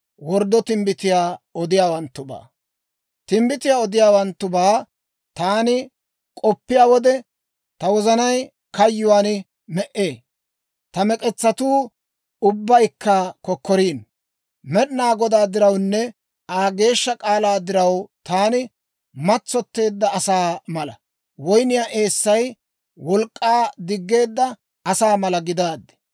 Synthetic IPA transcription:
wɔɾd̪ɔt̪ɪmbɪt̪ɪjaːɔd̪ɪjaːwɐnt̪ːʊba̰ː | t̪ɪmbɪt̪ɪjaːɔd̪ɪjaːwɐnt̪ːʊbaː | t̪aːnɪ | kʼɔpːɪjaːwɔd̪ɛ | t̪ɐwɔzɐnɐj | kɐjːʊwaːn | mɛʔeː | t̪ɐmɛkʼɛt͡sːɐt̪uː | ʊbːɐjkːɐkɔkːɔɾiːn | mɛɗnaːɡɔd̪aːd̪ɪɾɐwnːɛ | aːɡe̞ːʃːɐkʼaːlaːd̪ɪɾɐwt̪aːnɪ | mɐt͡sːɔt̪ːe̞ːd̪ːɐːsaːmɐlɐ | wɔjnɪjaːʔe̞ːsːɐj | wɔlkʼːaːd̪ɪɡːe̞ːd̪ːɐ | ɐsaːmɐlɐɡɪd̪aːd̪ɛ̥

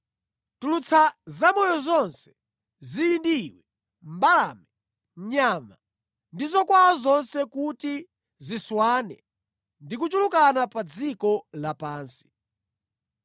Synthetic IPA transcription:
tulut͡sʰazamɔjɔzɔnsɛ̥ | ziindiwɛ | mbalaːmɛ | ɲɲama | ndizɔkwaazɔnsɛkuti | ziswaːnɛ̰ | ndik̬ut͡ʃulukanapad͡zikɔlapaːnsi̥

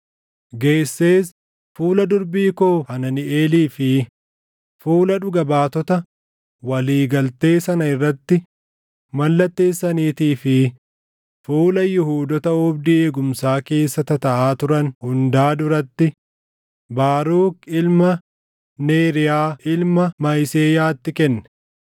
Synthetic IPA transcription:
ɡe̞ːsːeːs | fuːlɐd̪ʊɾbiːkoːhɐnɐnɪeːliːfɪ | fuːlɐᶑʊɡɐbaːt̪ɔt̪ɐ | wɐliːɡɐlt̪e̞ːsɐnɐɪrːɐt̪ːɪ | mɐlːɐt̪ːe̞ːsːɐniːt̪iːfɪ | fuːlɐjʊhuːd̪ɔt̪ɐɔbd̪ɪeːɡʊmsaːke̞ːsːɐt̪ɐt̪ɐʔaːt̪ʊɾɐnhʊnd̪aːd̪ʊɾɐt̪ːɪ | baːɾuːkɪlmɐ | neːɾɪjaːʔɪlmɐmɐjseːjaːt̪ːɪkɛnːɛ̥

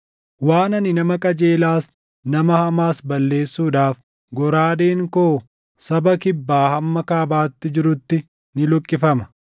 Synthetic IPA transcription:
waːnɐnɪnɐmɐkʼɐd͡ʒeːlaːs | nɐmɐhɐmaːsbɐlːe̞ːsːuːᶑaːf | ɡɔɾaːd̪eːŋkoː | sɐbɐkɪbːaːhɐmːɐkaːbaːt̪ːɪd͡ʒɪɾʊt̪ːɪ | nɪlɔkʼːɪfɐmɐ̥

